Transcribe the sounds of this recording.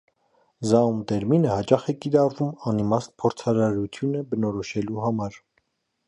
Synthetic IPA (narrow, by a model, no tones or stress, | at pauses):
zɑumt̪ɛɾminəhɑt͡ʃɑχɛkiɾɑrvumɑnimɑsnpʰɔɾt͡sʰɑɾɑɾut̪ʰjunəbənɔɾɔʃɛluhɑmɑɾ